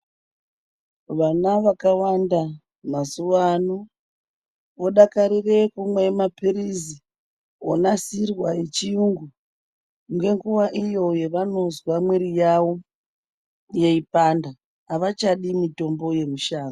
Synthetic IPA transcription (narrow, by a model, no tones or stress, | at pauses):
ʋanaʋakawanda | masuwano | ʋo̞ɗakaɾire̞kumwemapirizi | o̰nasirwajet͡ʃijuŋɡu | ŋɡe̞ŋɡuʋaʔijo̞je̞ʋano̞zwamweɾijawo̞ | je̞ipandaː | ʋat͡ʃaɗimito̞mbo̞je̞ruʃaːno